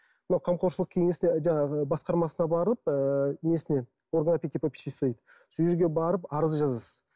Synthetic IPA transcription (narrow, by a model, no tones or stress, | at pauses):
mɪnɑwqʰɑmqʰoɾʃəlˠəq̚kʲʰe̞ŋe̞sɪneʒɑbɑsqɑɾmɑsənɑbɑɾəlˠəp̚əme̞sɪne̞ | orɡənɑpʲek̪ʲepopʲi̥sʲisejd̪ə | sʏjɪɾɡʲe̞bɑɾəpɑɾəzʒɑzəs